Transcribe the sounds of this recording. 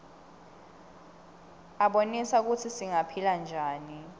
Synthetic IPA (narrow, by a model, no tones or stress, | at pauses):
aɓonisak̬utʰisiŋapʰiland͡ʒʱaːni